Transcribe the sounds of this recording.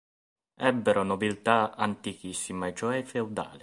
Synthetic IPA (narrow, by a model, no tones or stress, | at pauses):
ɛbːɛɾonobilt̪aa̰nt̪ik̟isːimaet͡ʃɔɛfewd̪a̰ːli